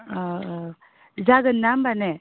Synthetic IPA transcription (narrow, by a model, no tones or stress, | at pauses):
d͡ʒaːɡənːambane